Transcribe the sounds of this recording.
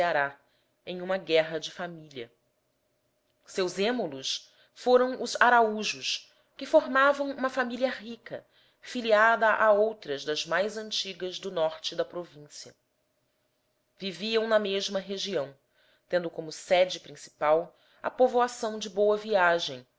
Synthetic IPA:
saɾa | ẽj̃ũmɐɡɛɦɐd͡ʒɪfamiliɐ | sewzẽmolʊs | foɾɐ̃w̃ʊzaɾauʒʊʃ | kɪfoɾmavɐ̃w̃ũmɐfamiliɐɦikɐ̰ | filiad̪ɐʔaowt̪ɾɐzd̪ɐzmajzɐ̃nt͡ʃiɡɐzd̪ʊnɔɾt͡ʃɪd̪ɐpɾovĩsiɐ̰ | viviɐ̃w̃nɐmeʒmɐɦeʒiɐ̃w̃ | t̪ẽnd̪ʊkõmʊsɛd͡ʒɪpɾĩsi̥paw | ɐ̰povoasɐ̃w̃d͡ʒɪbowɐviaʒẽj̃

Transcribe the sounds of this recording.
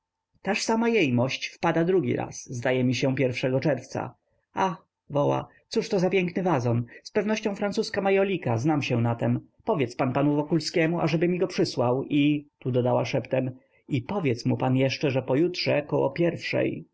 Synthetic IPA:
t̪aʂsamajejmɔɕt͡ɕfpad̪ad̪ɾuɡʲḭɾa̰szd̪ajɛmʲiɕɛpʲjɛɾfʂɛɡɔt͡ʂɛɾft̪sa̰ | ax | vɔwa̰ | t̪suʂt̪ɔzapʲjɛŋknɘvazɔnspɛvnɔɕt͡ɕɔ̃w̃fɾant̪suskamajɔlʲikaznamɕɛnat̪ɛm | pɔvʲjɛt̪spanpanuvɔkulskʲɛmuʔaʐɛbɘmʲiɡɔpʂɘswawit̪ud̪ɔd̪awaʂɛpt̪ɛm | ipɔvʲjɛt̪smupanjɛʂt͡ʂɛʐɛpɔjutʂɛkɔwɔ̰pʲjɛɾfʂɛ̰j

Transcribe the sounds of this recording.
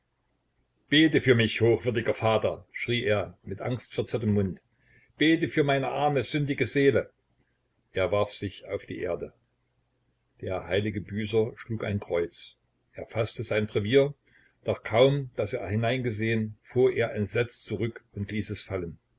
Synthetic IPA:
b̥eːtəfyːɐmɪçhoːxv̥ʏɐdɪɡɐfaːtɐʃʁ̥iːʔeːɐmɪtʔa̰ŋstfɛɐt͡sɪɐtəmːʊnt | b̥eːtəfyːɐmaɪnəʔaʁɐməzʏndɪɡəzeːlə | ʔeːɐvaɐfz̥ɪça̰ʊfd̥ḭːʔḛːɐdə | d̥eːɐhaɪlɪɡəbyːzɐʃluːka̰ɪnkʁ̥ɔʏt͡s | ʔeːɐfastəzaɪnpʁ̥ɛviːɐ | d̥ɔχkʰaʊmd̥aseːɐhɪnaɪnɡəzeːənfuːɐʔeːɐʔɛnz̥ɛt͡st͡suʁʏkʊntliːsɛsfalən

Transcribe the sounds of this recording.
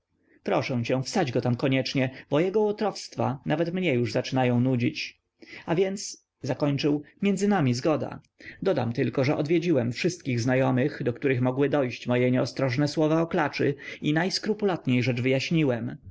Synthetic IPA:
pɾɔʂɛw̃t͡ɕɛ̃fst̪ad͡ʑɡɔt̪amkɔɲɛt͡ʂɲɛb̥ɔjɛɡɔɔt̪ɾɔfst̪fa̰navɛt̪mɲɛjuʐzat͡ʂɘnajɔ̃w̃nud͡ʑit͡ɕ | avʲjɛnt̪s | zakɔɲt͡ʂɘwmʲjɛndzɘnamʲizɡɔd̪a̰ | d̪ɔd̪a̰mt̪ɘlkɔʐɛʔɔd̪vʲjeɛd͡ʑiwɛmfʂɘst̪̚kʲiɣznajɔmɘxd̪ɔkt̪uɾɘxmɔɡwɘd̪ɔjɕt͡ɕmɔjɛɲɛɔst̪ɾɔʐnɛswɔvaɔklat͡ʂɘinajskɾupulat̪ɲejʐɛd͡ʐvɘjaɕɲiwɛm

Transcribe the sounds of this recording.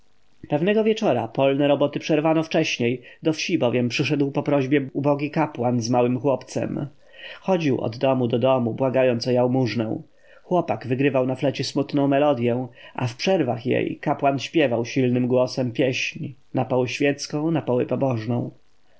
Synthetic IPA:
pɛvnɛɡɔvʲjɛt͡ʂɔɾapɔlnɛɾɔbɔt̪ɘpʂɛɾvanɔft͡ʂɛɕɲejd̪ɔfɕibɔvʲjɛmpʂɘʂ̬ɛd̪wpɔpɾɔʑbʲjɛubɔɡʲikapwanzmawɘmxwɔpt̪sɛ̰m | xɔd͡ʑiwɔ̰d̪ːɔmud̪ɔd̪ɔmubwaɡajɔnt̪sɔjawmuʐnɛ̰w̃ | xwɔpaɡvɘɡɾɘvawnaflɛt͡ɕɛsmut̪nɔ̃w̃mɛlɔd̪ʲjɛw̃a̰fpʂɛɾvaxjḛjkapwanɕpʲjɛvawɕilnɘmɡwɔsɛmpʲjeɕɲnapɔwɛɕfʲjɛt̪skɔ̃w̃napɔwɛpɔbɔʐnɔ̰̃w̃

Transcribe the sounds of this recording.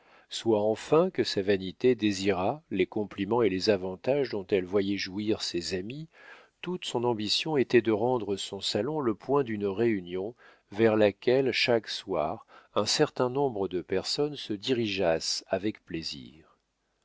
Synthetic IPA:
swaɑ̃fɛ̃kəsavanit̪ed̪eziʁalekɔ̃plimɑ̃elezavɑ̃t̪aʒd̪ɔ̃t̪ɛlvwajɛʒuiʁsezami | t̪ut̪sɔ̃nɑ̃bisjɔ̃et̪ɛd̪əʁɑ̃d̪ʁəsɔ̃salɔ̃ləpwɛ̃d̪ynʁeynjɔ̃ | vɛʁlakʲɛlʃakswa̰ːʁɛ̃sɛʁt̪ɛ̃nɔ̃bʁəd̪əpɛʁsɔnsəd̪iʁiʒasavɛkplezḭːʁ

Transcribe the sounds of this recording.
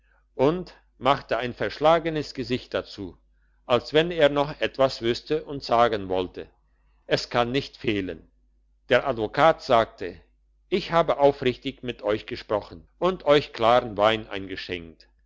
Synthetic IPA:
ʔʊnt | maχtəaɪnfɛɐʃlaːɡənəsɡ̥əzɪçt̚d̥at͡suː | ʔalsv̥ɛneːɐnɔχʔɛtv̥asv̥ʏstəʔʊntz̥aːɡənvɔltə | ʔɛskʰanːɪçtfeːlə̰n | d̥eːɐʔadvokʰaːtz̥aːk̚tʰə | ʔɪçhaːbəʔaʊfʁɪçtɪçmɪtʔɔʏçɡ̥əʃpʁ̥ɔχn̩ʔʊntʔɔʏçkl̥aːʁən̩vaɪnʔa̰ɪnɡəʃɛ̰ŋk̚t

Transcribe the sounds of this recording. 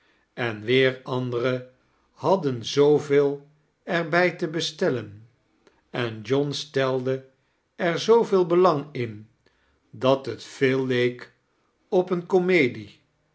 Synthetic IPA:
ɛnʋɪːɹɑndərə | hɑdənzowvɪːlˠ | ɛɹbɛjtəbəstɛlən | ɛnd͡ʒɔnstɛlˠdə | ɛɹzowvɪːlˠbəlɑŋɪn | dɑtɦətfeːlˠːejk | ɔpənkomejdi

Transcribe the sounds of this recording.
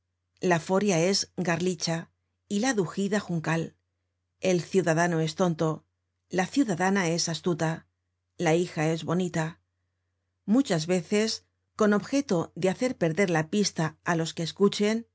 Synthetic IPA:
lafo̞ɾjae̞zɡaɾlit͡ʃa | ilaðuxiðaxuŋkal | e̞lθjuðaðano̞e̞st̪o̞nt̪o̞ | laθjuðaðanae̞sast̪ut̪a | laixae̞zβo̞nit̪a | mut͡ʃazβe̞θe̞s | ko̞no̞βxe̞t̪o̞ðeaθe̞ɾpe̞ɾðe̞ɾlapist̪aːlo̞skeːskut͡ʃe̞n

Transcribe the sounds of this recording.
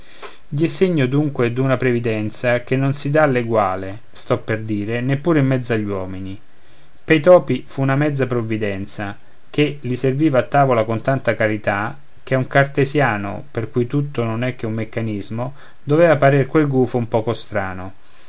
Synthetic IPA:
ɟ̪ɛseɲːod̪uŋkwed̪unapɾevid̪ɛnt̪sak̟enːonsid̪alːeɡwaːle | st̪ɔpːerd̪iːɾenepːuːɾeimːɛd̪zːaʎːwɔːmini | pejt̪ɔːpifunamɛd̪zːapɾovːid̪ɛnt̪sa | keliserviːvaːt̪ːaːvolakont̪ant̪akaɾit̪a | k̟euŋkart̪ezjaːno̰perkujt̪ut̪ːononɛk̟ːeumːekːanizmo | d̪ovɛːvapaɾiɾkwelɡuːfoumpɔːkost̪ɾaːno

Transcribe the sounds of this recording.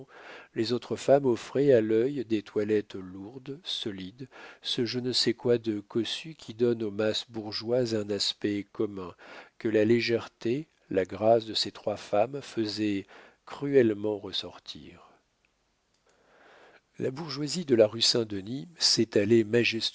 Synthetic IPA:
lezot̪χəfamɔfχɛalœjd̪et̪ʰwalɛt̪luʁd̪sɔlid̪səʒənəsɛkwad̪əkɔsykʲʰid̪ɔnomasbuʁʒwazɛ̃naspɛkɔmɛ̃kəlaleʒɛʁt̪e | laɡʁasd̪əset̪χwafamfəzɛ | kχyɛlmɑ̃ʁəsɔʁt̪ʰḭʁ | labuʁʒwazid̪əlaʁysɛ̃d̪ənisɛt̪alemaʒɛst̪

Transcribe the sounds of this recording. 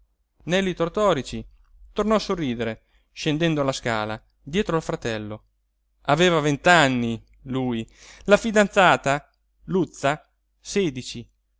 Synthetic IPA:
nɛlːit̪ort̪ɔːɾit͡ʃi | t̪ornɔasorːiːd̪eɾe | ʃend̪ɛnd̪oalaskaːla | d̪jɛːt̪ɾoalfɾat̪ɛlːo | aveːvavent̪anːi | luːj | lafid̪ant̪saːt̪a | lut̪sːa | seːd̪it͡ʃi

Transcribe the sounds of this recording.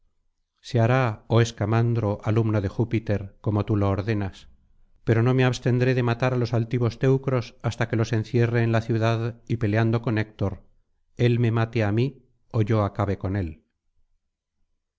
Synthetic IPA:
seaɾaoe̞skamand̪ɾo̞ʔalumnoðe̞xupit̪e̞ɾko̞mo̞t̪uloːɾðe̞nas | pe̞ɾo̞no̞me̞aβst̪e̞nd̪ɾe̞ðe̞mat̪aɾalo̞salt̪iβ̞o̞st̪e̞wkɾo̞sast̪ake̞lose̞n̟θje̞re̞ːnlaθjuðaðipe̞leand̪o̞kone̞k̚t̪o̞ɾ | e̞lme̞mat̪eami | o̞ʝo̞akaβe̞ko̞ne̞l

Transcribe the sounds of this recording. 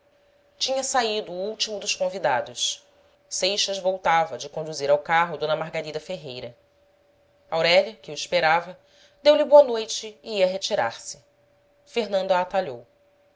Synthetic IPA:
t͡ʃĩɲɐsaid̪ʊːuwt͡ʃimʊd̪ʊʃkõvid̪ad̪ʊs | sejʃɐzvowt̪avɐd͡ʒɪkõnd̪uziɾawkaɦʊd̪õnɐmaɦɡaɾid̪ɐfeɦejɾɐ | awɾɛlɐkɪuiʃpeɾavɐ | d̪ewlɪboɐnojt͡ʃɪːiɐɦet͡ʃiɾa̰ɾsɪ̥ | feɦnɐ̃nd̪aːt̪aʎow

